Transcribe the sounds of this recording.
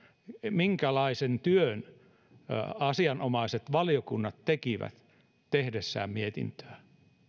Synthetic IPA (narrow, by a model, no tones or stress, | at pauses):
miŋkælɑisent̪yøn | ɑsiɑnomɑiset̪ʋɑlijokunːɑt̪t̪ekiʋæ̰t̪ | t̪ehdesːæ̰ːmmiet̪ḭnt̪ø̥æ